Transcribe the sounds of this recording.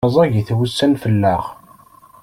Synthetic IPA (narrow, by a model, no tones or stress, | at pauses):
əzˤɑʝiθwəsːənfəlːæʁ